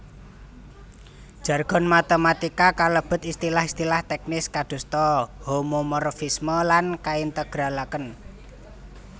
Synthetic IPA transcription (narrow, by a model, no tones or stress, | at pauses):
d̥ʒ̥a̤rɡ̥ɔ̤nmat̪əmat̪ikakaləb̥ə̤t̪ist̪ilahist̪ilaht̪ɛk̚nɪskad̪̥ṳst̪ɔhomomɔrfisməlankaint̪əɡ̥ɾalakən